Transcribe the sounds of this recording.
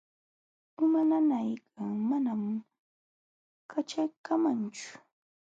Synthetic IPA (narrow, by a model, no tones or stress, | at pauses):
ʊmananajkʰaŋmanam | kʰat͡ʃajkamant͡ʃʊ̥